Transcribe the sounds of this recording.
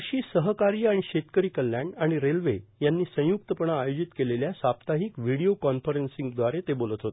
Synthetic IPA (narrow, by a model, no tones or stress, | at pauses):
ɕiːsəɦəkaɾijaɽ̃iɕet̪kəɾiːkəlːjãɳɖaɽ̃iɾelʋejanːiːsə̃jukt̪əpəɽaːjod͡ʑit̪keleljasapt̪aɦikʋiɽiokɔnfəɾensĩŋɡd̪ʋaɾet̪ebolət̪ɦot̪e